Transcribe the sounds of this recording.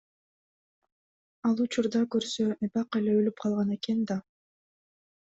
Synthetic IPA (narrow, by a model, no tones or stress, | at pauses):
ɑlˠut͡ʃuɾd̪ɑkøɾsøebɑqe̞leølyp̚qʰɑlˠʁɑne̞ke̞nd̪ɑ